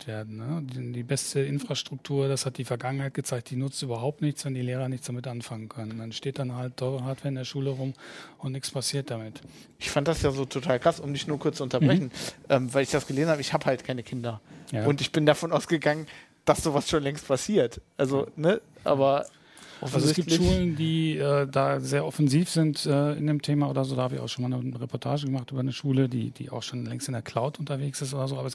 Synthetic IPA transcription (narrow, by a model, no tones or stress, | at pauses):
tv̥eːɐdn̩nəddiːbɛstəʔɪnfʁ̥aʃtʁ̥ʊk̚tʰuːɐd̥ashat̚d̥iːfɛɐɡaŋənhaɪt̚ɡ̥ət͡saɪçt̚d̥iːnʊt͡stʔyːbɐɦaʊp̚tnɪçt͡sv̥ɛndiːleːʁɐnɪçtt͡sd̥amɪtʔanfaŋənkʰœnəndanʃteːt̚d̥anɦalttʰːɔʏʁəɦaːɐtv̥ɛːɐɪndeɐʃuːləʁʊmʊntnɪçt͡sspasiːɐt̚d̥amɪt | ʔɪçfant̚d̥asjaːzoːtʰotʰaːlkʁ̥asʔʊmnɪçtnuːɐkʰʊɐt͡suʔʊntɐbʁɛçn̩ʔɛːmvaɪlɪçd̥asɡ̥əleːzn̩haːbəɪçhaːbəhaltkʰaɪnəkʰɪndɐjaʊntɪçb̥ɪndafɔnʔaʊsɡ̥əɡaŋən | d̥asz̥oːvasʃoːnlɛŋstpʰasiːɐtʔalzonəʔa̰ːbɐ | ʔɔfzsɡ̥iːpntɪʃuːlləndiːʔɛːdaːzeːɐʔɔfɛnziːfz̥ɪntʔɛːɪndeːmtʰeːmaʔoːdɐzoːdaːhaːbəɪ̰ça̰ʊʃoːnmaːlnʁɛpʰɔɐtʰaːʒəɡəmaχtʔyːbɐnəʃuːlədḭːd̥ḭːʔa̰ʊxʃoːnlɛŋstɪndeːɐkʰl̥aʊtʔʊntɐveːksɪstʔoːdɐzoːaːbɐɛs